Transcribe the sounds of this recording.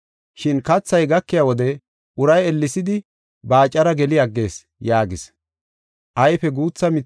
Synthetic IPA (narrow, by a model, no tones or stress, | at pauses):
ʃɪnkɐt͡sːɐjɡɐkːɪjawɔd̪ɛ | ʔʊɾɐjɛlːɪsɪd̪ɪ | baːt͡ʃʼːɐɾɐɡɛlɪɐɡːe̞ːs | jaːɡɪs | ʔɐjfɛɡuːt͡sːɐmɪ